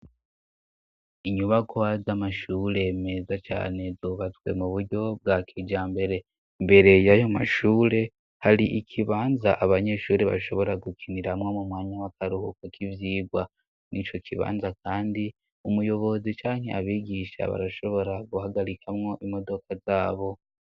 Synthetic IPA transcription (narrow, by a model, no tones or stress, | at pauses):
iɲuβakʰoazamaʃuːɾe̞me̞zat͡ʃa̰ːne̞zuβatwe̞̰muβuɾɟo̞b̚ɡakʰid͡ʒaːmbe̞ɾe̞ | mbe̞ɾe̞jajomaʃuːɾe̞ | haɾiʔikʰiβaːnzaʔaβaɲe̞ʃuːɾeβa̰ʃo̞βo̞ɾaɡukʰiniɾamŋomumwaːɲawakaɾuhukakʰivjiːɡwa | nit͡ʃo̞kʰiβa̰ːnzakʰaːndi | umujo̞βo̞zit͡ʃaːŋe̞̰aβiːɡiʃa̰βa̰ɾaʃo̞βo̞ɾaɡuhaɡaɾikʰamŋo̞ʔimo̞do̞kʰazaːβo̞